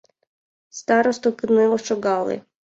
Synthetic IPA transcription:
st̪ɑɾɔst̪ɔkɪnɪlˠɔt͡ʃɔɡɑlˠɪ̰

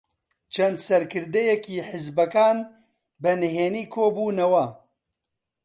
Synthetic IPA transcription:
t͡ʃʰɐnd̪sɐɾkɨɾd̪ɛjɛkiːħɪzbɐkaːn | bɛnɨɦeːniːkʰoːbuːnɐwɐ

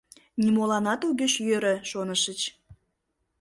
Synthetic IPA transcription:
nʲimolɑnɑt̪uɣøt͡ɕjøɾə̆ʃonəʃət͡ɕ

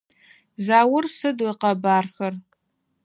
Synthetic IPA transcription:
zaːwʊrsɨdojqɐbaːrxɐr

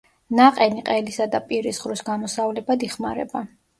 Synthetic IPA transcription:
naqʼɛniqʼɛlisad̪apʼiɾisχɾusɡamɔsavlɛbad̪iχmaɾɛ̰ba

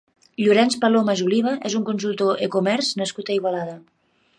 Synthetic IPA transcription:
ʎuɾɛnspalomazuliβ̞əʔezuŋkunsulˠt̪oʔekumɛɾznəskut̪əiɣalaðə

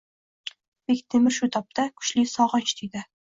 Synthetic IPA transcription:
b̥ekʲt̪ʰemɪɾʃʊt̪ʰɒp̚t̪ʰakʰʊ̥ʃlɪsɒʁɒt͡ʃt̪ʰid̪ɪ

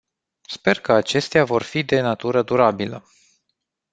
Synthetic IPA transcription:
spe̞rkəat͡ʃe̞st̪eavo̞rfid̪e̞nat̪uɾəd̪uɾabilə

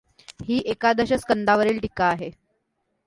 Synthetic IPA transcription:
hiːʔekad̪əɕəskənd̪aʋəɾiːlʈikaːɦe

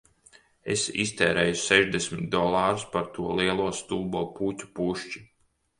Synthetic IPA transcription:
ḛsḭst̪ɛːɾɛjusɛʒd̪esmit̪̚d̪ɔlˠaːɾuspaɾt̪uɔliɛlˠuɔst̪uːbɔːpuːtʲu̥puʃt͡ʃi̥

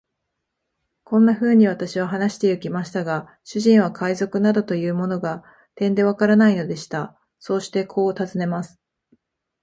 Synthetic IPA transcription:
kõ̞nːaɸɯ̟ːɲ̟iβat̪aɕiβ̞aɦanaɕi̥t̪e̞jɯ̟kʲimaɕi̥t̪aɡa | ɕɨʑĩɰ̃β̞akʰaizo̞kɯ̟nad̪o̞t̪o̞jɯ̟ːmo̞no̞ɡa | t̪ẽ̞nd̪e̞βakaɾanaino̞d̪e̞ɕi̥t̪a | so̞ːɕi̥t̪e̞kʰo̞ːt̪azɨne̞masɨ̥

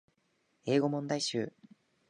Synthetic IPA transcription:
e̞ːɡo̞mõ̞nd̪aiɕɨ̰ː

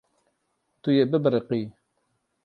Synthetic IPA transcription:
t̪ujebɨbɾɨqi

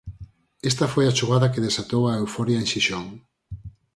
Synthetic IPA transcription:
est̪afojat͡ʃuɣ̞aðɐkeðesat̪owaewfɔɾjaenʃiʃoŋ

